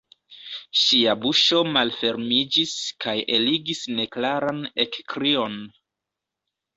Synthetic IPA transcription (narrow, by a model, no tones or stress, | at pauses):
ʃiabuʃo̞malfe̞ɾmid͡ʒiskajeliɡisne̞klaɾane̞kkɾio̞n